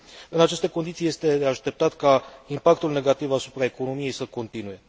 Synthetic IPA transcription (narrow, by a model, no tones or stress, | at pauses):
ɨnat͡ʃe̞st̪e̞ko̞nd̪it̪sije̞st̪e̞d̪eaʃt̪e̞p̚t̪at̪kaimpak̚t̪ulne̞ɡat̪ivasupɾaeko̞no̞mije̞jsəko̞nt̪inuje̞